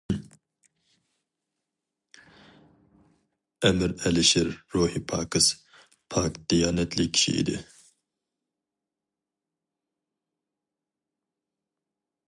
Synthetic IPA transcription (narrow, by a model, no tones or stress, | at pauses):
ɛmɪɾɛlɪʃɪɾːoːhipʰɑːkɨs | pʰɑːkd̪̥ijɑːnɛt̪ʰlɪkʲʰːi̥ʃḭḭd̪ɪ̰